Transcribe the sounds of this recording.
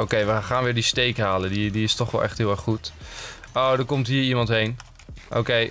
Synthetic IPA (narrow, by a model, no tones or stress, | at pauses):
owkejʋəχaːnʋɪːɹdistejkɦaːləndidiɪstɔχʋɛ̰lˠʔɛ̰χtɦɪəlˠɛɹχːut | owdəɹkɔmtɦiːɹimɑntɦejn | ʔo̰kej